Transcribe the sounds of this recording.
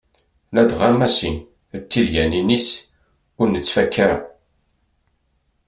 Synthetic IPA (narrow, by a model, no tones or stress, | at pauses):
læd̪ʁamæsin | t̪ːiljæninis | kʊɾnːət͡sːfækːaɾa̰